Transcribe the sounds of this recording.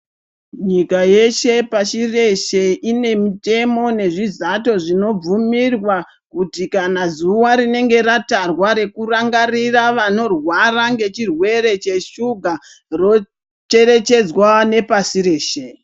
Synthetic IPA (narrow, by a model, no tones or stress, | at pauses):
ɲikaje̞ʃe̞paʃire̞ʃe̞ʔine̞mite̞mo̞ne̞ʐizato̞ʐino̞b͡vumirwa | kutikanazuwaɾine̞ŋɡe̞ɾatarwaɾe̞kuraŋɡariraʋano̞rwaraŋɡe̞t͡ʃirwe̞ɾe̞t͡ʃe̞ʃuɡʱa | ro̞ | t͡ʃe̞ɾe̞t͡ʃe̞d͡zwane̞pasiɾe̞ːʃe̞